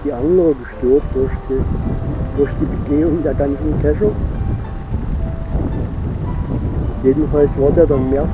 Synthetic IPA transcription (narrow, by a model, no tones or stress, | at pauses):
d̥iːʔandəʁəɡəʃtøɐt̚d̥ʊɐçdi | d̥ʊɐçd̥iːbəɡeːʊŋdeːɐɡant͡sn̩kʰɛʃə | jeːdn̩falsv̥aɐdeːɐdɑnmeːɐ